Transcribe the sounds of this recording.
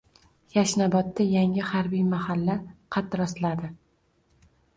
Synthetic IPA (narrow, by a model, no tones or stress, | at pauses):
jaʃnabɒt̪ːajaŋɪhaɾbijmahalːaqʰɑt̪ɾɒslad̪ɪ